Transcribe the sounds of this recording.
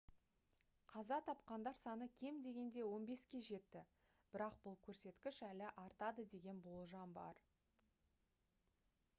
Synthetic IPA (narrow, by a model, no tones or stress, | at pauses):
qʰɑzɑt̪ʰɑp̚qɑnd̪ɑɾsɑnəkʲʰe̞md̪e̞ɡʲe̞nd̪e̞wo̞nbe̞skʲe̞ʒe̞t̪ːɪ | b̥ɪɾɑqb̥ʊlˠkʲʰɵɾse̞t̪kʲɪʃælɪʔɑɾt̪ɑd̪əd̪e̞ɡʲe̞nbolˠʒɑmbɑ̰ɾ